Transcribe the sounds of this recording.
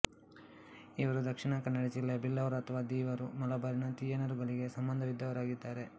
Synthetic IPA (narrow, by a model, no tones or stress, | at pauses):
iʋɐɾud̪ɐkʂiɳɐkɐnːɐɽit͡ʃilːebilːɐʋɐɾɐt̪ʰɐʋaːd̪iːʋɐɾumɐlɐbaːɾinɐt̪ijenɐɾuɡɐɭiɡe̞sɐmbɐnd̪ʱɐʋid̪ːɐʋɐɾaːɡid̪ːaːɾe̞